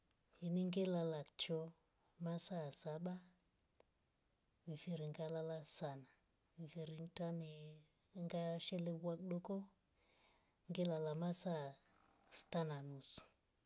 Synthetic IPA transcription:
hinɪŋɡelalat͡ʃɔ | masasaɓa | mɪfiɾiŋɡalalasana | mifiɾiŋtamɪ | ŋɡaʃɛlɪwakɗɔkɔ | ŋɡɪlalamasa | stananusu̥

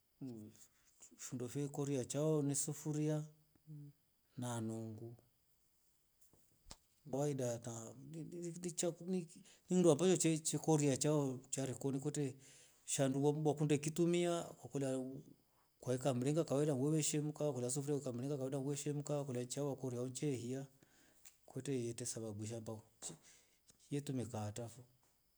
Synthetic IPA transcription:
fundɔfɛkɔɾiat͡ʃaɔnisufuɾia | nanɔŋɡu | awaidata | t͡ʃani | ninduampat͡ʃɔt͡ʃɛt͡ʃɛkɔɾiat͡ʃaɔt͡ʃaɾikɔnikɔtɛ | ʃanduaakundɛkitumiakwakɔla | kwaikamɾɛŋɡakawɛdaŋɡwɛβɛʃɛm̩kawakɔlias̬ufɾɛikamlɛŋɡakawɛdaŋɡwɛʃɛmukakɔlat͡ʃawakɔɾiaɔnt͡ʃɛhia | kwɛtɛjɛtɛsaβaɡiʃ̬amba | jɛtumikatafɔ

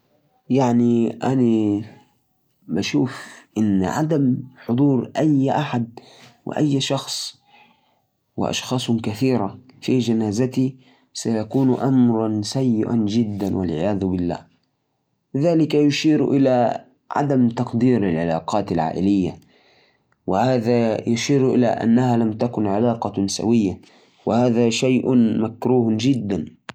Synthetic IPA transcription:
jaʕniʔana | baʃuːfʔɪnːʕad̪amħʊd̪ˤuːɾʔajʔaħad̪̚ | wɪ̰ʔajːʃɑxsˤ | wɪ̰ʔɑ̰ʃxɑːsˤʊkaθiːɾafid͡ʒanaːzat̪i | sajakuːnʔamɾˤɑnsajːɪʔa̰nd͡ʒɪd̪ːanwa̰lʕɪjaːðʊbɪlːa̰ːh | ɪðaːlɪkajʊʃiːɾʔɪla | ʕa̰d̪amt̪ɑqd̪iːɾalʕalɑːqɑːt̪alʕa̰ːʔɪlɪjːa | wɪhaːðajʊʃiːɾʔɪ̰la̰ʔa̰nːahalamt̪akʊnʕalɑːqɑsa̰wɪjːa | wɪhaːðaʃajʔmakɾuːhd͡ʒɪd̪ːan

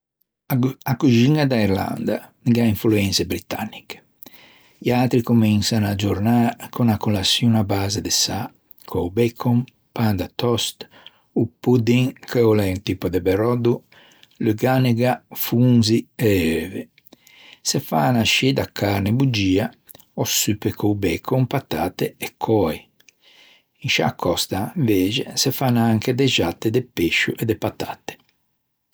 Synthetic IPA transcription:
akud͡ʒiŋad̪aiɾla̰nd̪a̰ | ɡaiɱfluɛnsɛbɾit̪a̰nːike̥ | iat̪ɾikominsanad͡ʒɔɾnaɾkɔnakɔlasjunabazɛd̪ɛsa | kʰɔbɛkʰɔm | pand̪at̪ɔst̪ | upud̪iŋkɛɔlɛunt̪ipɔd̪ɛbɛɾɔd̪u | lyɡanɛɡafunziɛøːvɛ | sɛfanaʃid̪akːaɾnɛbud͡ʒiːa | ɔsypɛkʰoubɛkʰɔmpat̪a̰t̪ɛɛkʰːɔɛ | inʃa̰kʰːɔst̪aɱveːd͡ʒɛsɛfanaaŋked̪ɛʒat̪ːɛd̪ɛpeʃːuʔɛd̪ɛpat̪at̪ɛ̥

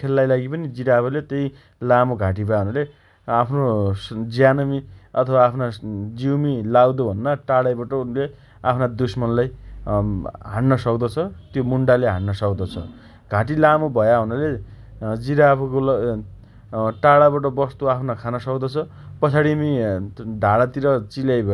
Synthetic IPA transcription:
kʰelːajlaɡipʌnid͡ziɾapʰalet̪ʌj | lamoɡʱaʈibʱʌjaɦunule | apʰnosd͡zijanʌmiʌt̪ʰʌbaːpʰnad͡ziwmilawd̪obʱʌnːaʈaɽajbaʈʌle | apʰnad̪usmʌnlaj | ɦãɳnʌsʌkd̪ʌt͡sʰʌt̪jomuɳɖaleɦaɳːʌsʌkd̪ʌt͡sʰʌ̰ | ɡ̥ʱaʈ̬ilamobʱʌjaɦunule | d͡ziɾapʰukolʌ | ʈaɽabaʈʌbʌst̪oapʰnakʰanʌsʌkd̪ʌt͡sʰʌ | pʌt͡sʰaɽimiɖʱaɽat̪iɾʌt͡siljajbʱʌ

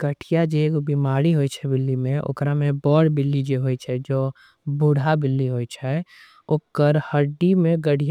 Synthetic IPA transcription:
ɡəʈʰijad͡ʒeɡobimaːɾiɦojt͡ʃʰɛbɪlːimẽʔo̰ːkɾamẽbɔːɽbɪlːid͡ʒeɦojt͡ʃʰɛd͡ʒoː | buɽ̤ʱabɪlːiɦojt͡ʃʰɛ | oːkːəɾhəɖimẽɡəɽ̤ij

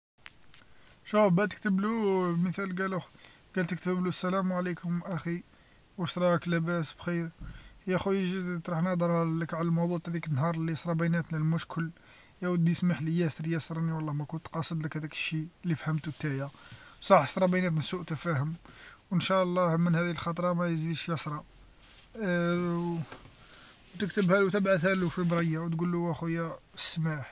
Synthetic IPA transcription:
ʃufbæt̪ə̥k̚t̪əbluməθælɡæləx | ɡ̥ælt̪ək̚t̪əblusːælæmwʕlikʰʊmʔæxi | wəʃt̪ɾˤɑklæbæsbxiɾjæxujəʒit̪ɾˤuħnɑd̪ˤɑɾˤləkʕlælmɑwd̪ˤut̪hæd̪ikənːhɑɾˤlːisɾˤɑbænæt̪nəlmʊʃkʰəl | jæwəd̪ːijəsmaħləjæsɾjæsɾˤɑniwɑlˤːɑmækʊnt̪ːqɑsˤːəd̪ˤləkhæd̪ikə̥ʃːilːifhəmt̪ut̪ːæjæsˤɑħə̥sɾˤɑbæjnæt̪nəsːuʔt̪əfæhəmwənʃæʔlˤːɑmənhæd̪iəlxɑt̪ˤɾˤɑmæjzid̪iʃjɑsɾˤɑ | wt̪əkt̪əbhæluwt̪əbʕaθhælufibɾˤɑjːæwt̪ɡulːuʔæxujæsmaħ

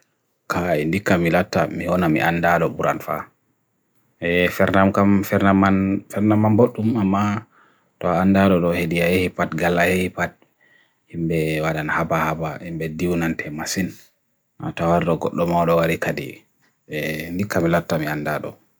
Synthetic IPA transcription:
kʰaɛndikːamilatːamihɔnamḭʔandaɗɔbuɾanfa̰ | ɛfɛɾnamkamfɛɾnamanfɛɾnamːanboɗːumamːa | tɔandaɗɔɗɔheɗijajehipatɡalːahehipat̚ | himbɛwaɗanhabahabaimbɛdiwnantʰɛmasin | ʔa̰tawaɾɗɔɡɔɗːɔmawɗɔwaɾikadḭ | ɛndikːamilatːamiandaɗɔ̰

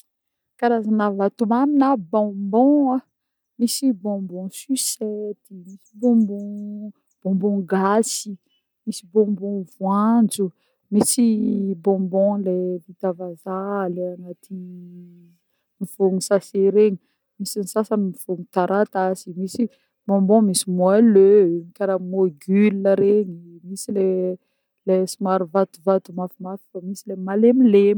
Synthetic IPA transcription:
kaɾazanavat̪umaninabɔ̃mbɔ̃a | misibɔ̃mbɔ̃sysɛt̪imisibɔ̃mbɔ̃ | b̥ɔ̃mbɔ̃ɡasi | misibɔ̃mbɔ̃vwand͡zu | misibɔ̃mbɔ̃levit̪avazaleanat̪ʰi | mivoŋusaseɾeɲi | misinisasanimiv̥oŋut̪aɾʔat̪azimisi | bɔ̃mbɔ̃misimwaløɲikaɾamoɡylːəɾeɲimisile | lesimaɾuvat̪uvat̪umafimafi̥famisilemalemilem

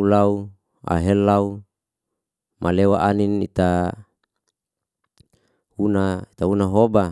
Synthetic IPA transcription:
ulau | a̰ɦelːau | mʔalewaʔaninit̪a | unait̪aunaɦoba

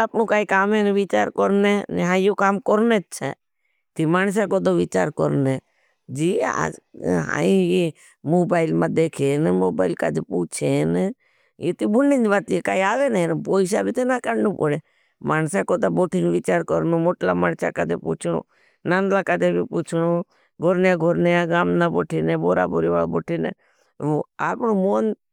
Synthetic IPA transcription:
apnõːkaːikaːmeːnʋit͡ʃa̰ːɾkɔɾneːnḛɦãːjokaːmkɔɾneːt͡ʃʰɛ̰ | t̪imaːns̬akoːd̪oʋɪt͡ʃa̰ːɾkɔɾneː | d͡ʒiːa̰d͡ʒɦã̰ːĩje | moːbaːɪlmãːd̪eːkʰeːnmoːbaːɪlka̰ːd̪epuːt͡ʃʰene | jeːt̪ibʊnːĩd͡ʒʋaːt̪ekaːiaːʋeːnenpoːɪʃ̬aːbiːt̪enaːkəɽnuːpoɽeː | maːnsaːkoːt̪aːboːʈʰinːʋɪt͡ʃaːɾkəɾnoːmoːʈlaːmaɳt͡ʃa̰ːkat̪ḛːpṵːt͡ʃʰno̰ː | nãːnd̪laːkad̪eːbiːpuːt͡ʃʰnoː | ɡʱoɾnjãːɡʱoɾnejãːɡaːmnãːboːʈʰeːnẽːboːɾa̰ːbʊɾiʋa̰ːboːʈʰenḛː | oaːpnoːmoːn

